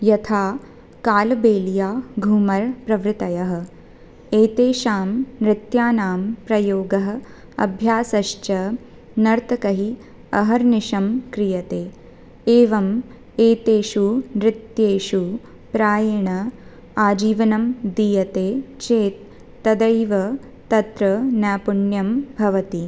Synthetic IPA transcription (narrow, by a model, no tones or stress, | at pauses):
jɐt̪ʰaː | kaːlbeːljaːɡʱuːmɐɾpɾɐʋɾɪt̪ɐjɐɦɐ̆ | eːt̪eːʃaːmɾɪt̪jaːnaːmpɾɐjoːɡɐɦɐ̆ | ɐ̰bʱjaːsɐʃt͡ʃɐ | nɐɾt̪ɐkɐɦi | ɐɦɐɾnɪʃɐmkɾijɐt̪eː | eːʋɐm | eːt̪eːʃunɾɪt̪jeːʃu | pɾaːjɐɳɐ | aːd͡ʒiːʋɐnɐmd̪ijɐt̪eːt͡ʃeːt̪̚ː | ɐd̪ɐjʋɐ | t̪ɐt̪ɾɐnjaːpuɳjɐmbʱɐʋɐt̪i